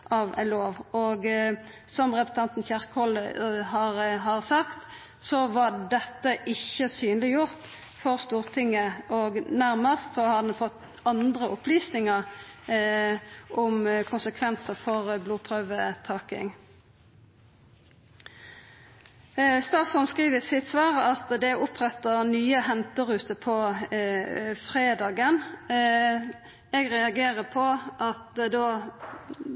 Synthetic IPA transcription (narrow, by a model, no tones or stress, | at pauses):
ʔɑʋæ̰loːʋoːɡ | sɔmʁɛpɾs̩t̪ʰɑnt̪n̩çæʁkəhɔləhɑːʁɦɑʁsɑkt̪ | sɔʋɑd̪ɛt̪ːəʔɪçəsyːnlɪjʊʁt̪ | fɔʁst̪uːʁt̪ʰɪŋːəʔɔɡnæʁməst̪sɔhɑd̪ɛnfɔt̪ː | ɑnd̪ʁəʔʊpʰlyːsnɪŋəʁ | ʔʊmkʰʊnsəkʰʋɛnsəfɔʁbluːpʰʁœʋət̪ʰɑːkɪ̰ŋ | st̪ɑːsɔnskʁiːʋəsɪt̪sʋɑːʁəɑt̪d̪ɛʔʊpʰʁɛt̪ːəʁnyːəhɛnt̪əʁʉːt̪əpʰɔ | fʁeːd̪ɑːɡən | ɛɡʁɛɑɡeːʁəpʰɔʔɑt̪d̪oː